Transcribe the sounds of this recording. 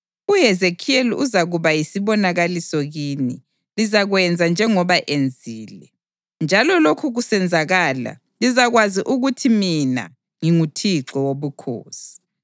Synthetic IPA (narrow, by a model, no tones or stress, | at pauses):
uɦɛzekʰieliuzaɣuβajisiβɔnaɣalisɔɣiːnḭ | lizaɣwɛnd͡zʱand͡ʒʱɛŋɔβaʔend͡zʱiːlɛ | nd͡ʒʱalɔlokʰuɣusɛnd͡zʱaɣaːla̰ | lizaɣwaziʔuɣutʰimina̰ | ŋiŋutʰiǁɔwoβukʰo̰ːsi̥